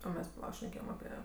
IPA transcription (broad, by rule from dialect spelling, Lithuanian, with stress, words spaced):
oː ˈmʲɛs pɐˈlˠɐ ʃʲnʲɛˈkʲeːjɛm ɐˈpʲiɛ